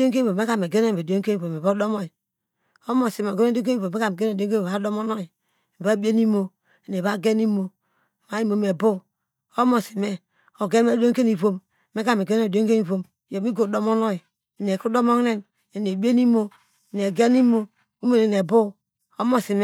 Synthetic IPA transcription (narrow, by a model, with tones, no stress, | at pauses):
o˦ŋ˦k̬e˦i˦˨o˨me˦ka˦me˨ɡe˦ne˦˨be˨do˦ŋ˦ke˦ni˨o˨me˨bo˦do˦mo˦i˨ | o˦mo˨si˨m˨ɡe˦n˦do˦ke˦i˨o˨me˦ka˦˨m˨ɡe˦ne˨o˦ka˨˦do˦mo˦no˦i˨ | ba˦be˦ni˦mo˨ | i˨ne˨ba˦˨ɡe˦ni˦mo˨ | ma˨i˦mo˨me˨bo˦ | o˦mo˨si˨me˦ | o˨ɡe˦m˦e˦˨do˦ŋ˦ke˦ni˨βo˦m | me˦ka˦me˨ɡe˦no˦˨do˦ŋke˦ni˨βo˦m˨jo˨mi˦ɡo˨do˦mo˦nɔ˦i˨ | i˨ne˨ku˦do˦mo˦ŋ˦ne˦m | e˨ne˨be˦ni˦mo˨ | ne˨ɡe˦ni˦mo˨ | u˦me˨ne˨ne˨bo˦ | o˦mo˨si˨m˦